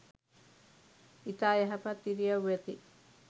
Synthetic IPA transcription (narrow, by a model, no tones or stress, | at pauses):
it̪ajaɦapat̪iɾiawet̪i